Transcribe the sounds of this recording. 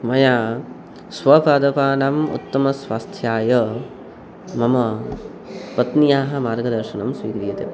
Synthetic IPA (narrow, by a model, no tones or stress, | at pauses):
mɐjaː | sʋɐpaːd̪ɐpaːnɐmṵt̪ːɐmɐsʋaːst̪ʰjaːjɐ | mɐmɐ | pɐt̪nijaːɦɐ̆maːɾɡɐd̪ɐɾʃɐnɐmsʋḭːkɾijɐt̪ḛ